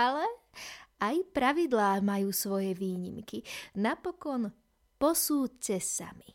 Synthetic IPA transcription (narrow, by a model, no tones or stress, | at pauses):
alɛ | ajpɾaʋid̪laːmajuːsʋɔjɛʋiːɲḭmkinapɔkɔn | pɔsuːt͡sɛsa̰mi